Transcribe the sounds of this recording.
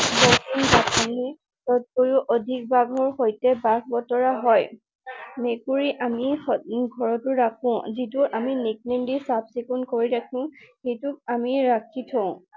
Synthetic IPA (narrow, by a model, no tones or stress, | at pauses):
bɔkʰinbakʰɔni | tɔt̚koɹuʔodʱik̚baɡʱɔɹxojtɛbak̚ʰbɔtɔɹaɦɔj | mekuɹiʔamixɡʱɔɹɔtʊɹakʰɔ̃zituʔaminik̚nendisabsikunkoɹiɾakʰũxejtʊk̚amiɹakʰitʰɔʊ̃